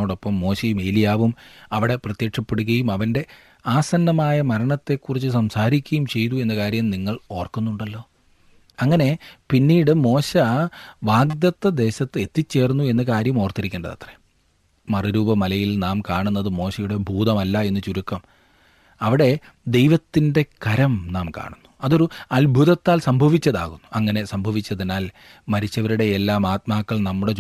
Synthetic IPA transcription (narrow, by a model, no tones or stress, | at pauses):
oːɽo̞pːɐmːo̞ːɕɐjumeːlijaːʋumɐʋiɽe̞prɐt̪jekʂɐpːe̞ɽuɣɐjumɐʋɐnde̞ | aːsɐnːɐmaːjɐmɐɾɐɳɐt̪ːe̞kːurit͡ɕːɨsɐmsaːɾikʲːɐjumt͡ɕe̞jt̪ue̞nːɐkaːɾjɐmniŋːɐɭo̞ːrkunːuɳɖɐlːo̞ː | ɐŋːɐne̞pinːiːɽɨmo̞ːɕɐʋaːɡd̪jɐt̪ːɐd̪e̞ːɕɐt̪ːɨe̞t̪ːit͡ɕːe̞ːrnːue̞nːɐkaːɾjɐmo̞ːrt̪iɾikʲːeːɳɖɐðɐ̰t̪re̥ | mɐriɾuːbɐmɐlɐjilnaːmkaːɳunːɐðɨmo̞ːɕɐjuɽe̞bʱuːd̪ɐmɐlːɐe̞nːɨt͡ɕuɾukːɐm | ɐʋiɽe̞ | d̪e̞jʋɐt̪ːinde̞kɐɾɐmnaːmka̰ːɳunːu̥ɐðo̞ɾuɐlbʱuðɐt̪ːaːlsɐmbʱɐʋit͡ɕːɐða̰ːɣunːuɐŋːɐne̞sɐmbʱɐʋit͡ɕːɐðinaːl | mɐɾit͡ɕːɐʋɐɾuɽe̞ːlːaːmaːt̪̚maːkːɐɭnɐmːuɽe̞